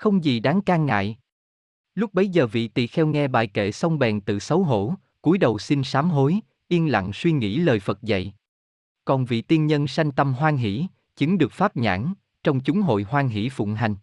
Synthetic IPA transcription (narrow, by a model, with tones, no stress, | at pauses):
xə˧wŋ͡mzi˨˩ɗaː˨˦ŋkaː˧ŋŋa̰ː˧˨j | lʊ˦˥k͡p̚ɓə˨˦jzəː˨˩vḭ˧˨t̪ḭ˧˨xɛ˧wŋɛ˧ɓa̰ː˧˨jkḛ˧˨sə˧wŋ͡mɓɛ˨˩nt̪ɨ̰˧˨sə˨˦wɦo̰˧˥ | ku˨˦jɗə˨˩wsi˧nsaː˨˦mɦo˨˦j | ʔi˧ənla̰˧˨ŋswi˧ŋḭ˧˥ləː˨˩jfə˨˩t̚zə̰˧˨j | kɔ˨˩nvḭ˧˨t̪i˧ənɲə˧nsa˧jŋ̟t̪ə˧mɦwaː˧nɦḭ˧˩˥ | t͡ɕɨ˨˦ŋɗɨ˨˩ək̚faː˦˥p̚ɲa̰ː˧˥n | t͡ɕɔ˧wŋ͡mt͡ɕʊ˨˦ŋ͡mɦo̰˧˨jhwaː˧nɦḭ˧˩˥fʊ̰˧˨ŋ͡mɦa˨˩jŋ̟